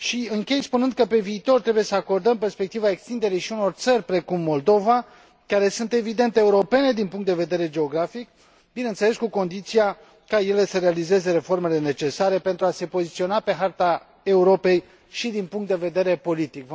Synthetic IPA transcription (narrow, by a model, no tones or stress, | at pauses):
ʃiɨŋkʲe̞jspunɨnd̪̚kəpe̞viːt̪o̞rt̪ɾe̞buje̞səako̞rd̪əmpe̞rspek̚t̪ivaekst̪ind̪e̞ɾijʃiuno̞rt̪sərʲpɾe̞kumːo̞ld̪o̞va | kaɾe̞sunt̪e̞vid̪e̞nt̪eeuɾo̞pe̞ne̞d̪inpuŋkt̪d̪e̞ve̞d̪e̞ɾe̞d͡ʒe̞o̞ɡɾafik̚ | binent̪se̞le̞skuko̞nd̪it̪sija | kaje̞le̞səɾealize̞ze̞ɾe̞fo̞rme̞le̞ne̞t͡ʃe̞saɾe̞pe̞nt̪ɾuase̞po̞zit̪sio̞nape̞ɦart̪a | e̞uɾo̞pe̞j | ʃid̪inpuŋkt̪̚d̪eve̞d̪e̞ɾe̞po̞lit̪ikv